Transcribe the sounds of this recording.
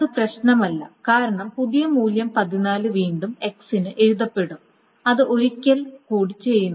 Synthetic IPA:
ðɨprɐɕnɐmɐlːɐkaːɾɐɳɐmpuðijɐmuːljɐmpɐðinaːlɨʋiːɳɖume̞ksinɨʔe̞ɾuðɐpːe̞ɽum | ɐðɨʔo̞ɾikʲːɐlkuːɽit͡ɕːe̞jːunː

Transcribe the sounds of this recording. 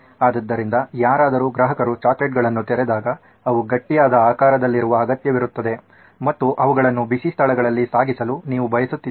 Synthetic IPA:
aːd̪ɐd̪ːɐɾind̪ɐjaːɾaːd̪ɐɾuːɡɾɐɦɐkɐɾut͡ʃaːkleʈ̚ɡɐɭɐnːut̪ɛɾɛd̪aːɡɐ | ɐʋuɡɐʈːijaːd̪ɐaːkaːɾɐd̪ɐlːiɾuʋɐːɡɐt̪jɐʋiɾut̪ːɐd̪e̞ | mɐt̪ːuʔɐʋuɡɐɭɐnːubisist̪ʰɐlɛɡɐɭɐlːisaːɡisɐluniːʋubɐjɐsut̪ːi

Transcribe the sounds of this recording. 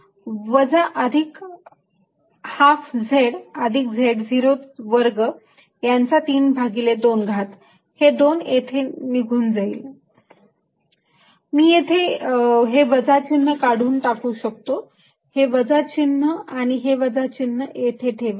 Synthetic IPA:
ʋəd͡zaʔəd̪ʱik | hafd͡zʱeɽəd̪ʱik̚d͡zʱeɽd͡ziɾot̪ʋəɾɡə | jant͡sat̪iːnbʱaɡiled̪onɡʱat̪ | hed̪onet̪ʰeniɡʱuːnd͡zaḭːl | miːjet̪ʰeɦeʋəd͡zat͡ɕinːəkaɽ̤uːnʈakuːɕək̚t̪o | heʋəd͡zat͡ɕinːəaɽ̃iɦeʋəd͡zat͡ɕinːəet̪ʰet̪ʰeʋ

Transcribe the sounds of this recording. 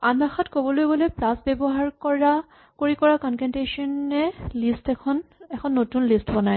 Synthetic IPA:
anbaxʰɔtkobɔlojbolejplasbɛbɔɦaɹkɔɹa | koɹikɔɹakɔnkɛntesɔnɛlistɛkʰɔnɛkʰɔnːotunlistbɔnaj

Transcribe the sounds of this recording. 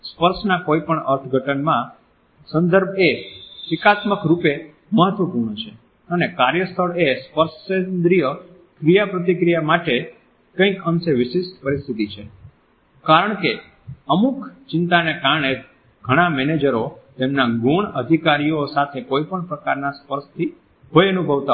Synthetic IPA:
spəɾʃnakoipəɳəɾt̪ʰɡʱəʈənmã | sə̃nd̪əɾbʱesɪkat̪məkɾupe | məɦət̪ʋəpuɾɳ̃ət͡ʃʰe | ənekaɾjəst̪ʰəɭespəɾʃend̪ɾijə | kɾijapɾət̪̬ikɾijamaʈe | kə̃ĩkəmseʋɪʃeʃpəɾist̪ʰit̪it͡ʃʰe | kaɾəɳke | əmukt͡ʃɪnt̪anekaɾɳ̃e | ɡʱəɽ̃amɛned͡ʒəɾot̪emnaɡuɳəd̪ʱikaɾijosat̪ʰekoipəɳpɾəkaɾnaspəɾʃt̪ʰi | ɦojənubʱəʋt̪a

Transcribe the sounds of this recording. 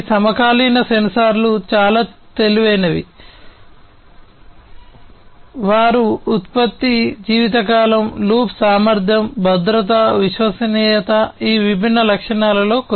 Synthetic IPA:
sɐmɐkaːliːnɐsensaːɾlut͡ʃaːlaːt̪eliʋɐjnɐʋḭ | ʋaːɾuːt̪̚pɐt̪ːid͡ʒiːʋit̪̬ɐkaːlɐmluːpsaːmɐɾd̪ʱjɐmbʱɐd̪ɾɐt̪ɐʋiʃʋɐsɐniːjɐt̪ɐiːʋibʱinːɐlɐkʂɐɳaːlɐlo̞ːk

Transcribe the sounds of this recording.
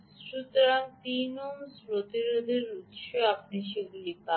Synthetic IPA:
sɾut̪ɾaŋt̪inomspɾot̪iɾod̪ʱeɾut̪ʃoapniʃeɡulipa

